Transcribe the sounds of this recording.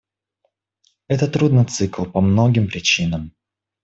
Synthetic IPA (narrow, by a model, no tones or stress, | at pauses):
ɛt̪ət̪ːɾud̪nɨt̪sɨklˠpɐmno̞ɡʲɪmpɾʲɪt͡ɕinəm